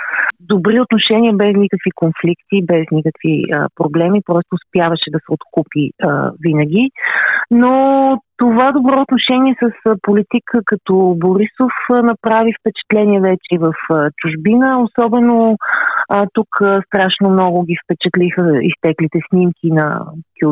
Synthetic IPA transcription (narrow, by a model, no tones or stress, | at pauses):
d̪obɾiot̪noʃɛnʲiəbɛsnikəkvikonflikt̪ibɛznikəkvḭə̰pɾoblɛmipɾɔst̪oːspjavɐʃɛd̪ɐsɛot̪kupiə̰vinəɡʲi | not̪ovad̪obɾɔot̪noʃɛniɛsəsəpolit̪ikʰəkɐt̪ɔboɾisofənɐpɾavifpɛt͡ʃɛ̥t̪lɛnʲiɛvɛt͡ʃɛivəfət͡ʃuʒbinəosɔbɛno | ət̪ukəst̪ɾaʃnomnɔɡʊɡʲifpɛt͡ʃɛt̪lixəḭst̪ɛklit̪ɛsnimkʰʲinɐ̰kʲ